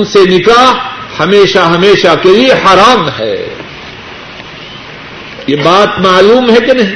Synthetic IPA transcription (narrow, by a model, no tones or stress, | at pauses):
nsenɪkahɐmeːʃaɦɐmeːʃakeliehaːɾaːmɦɛ̰ː | jebaːt̪maːluːmɦɛkenɐɦĩ